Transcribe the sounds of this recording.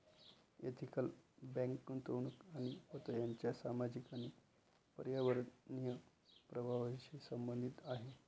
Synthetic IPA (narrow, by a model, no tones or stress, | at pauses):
ḛt̪ʰikəlbɛ̃ŋkːənt̪əʋɳukaɽ̃ihot̪əjaɲt͡ɕjasamad͡ʑikani | pəɾjaʋəɾnijə | pɾəbʱaʋaɕisəmbənd̪ʱit̪aɦe